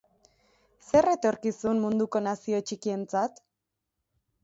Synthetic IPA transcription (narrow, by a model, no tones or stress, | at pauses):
se̞re̞t̪o̞ɾkisunmund̪uko̞nasio̞t͡ʃikie̞nt͡sat̪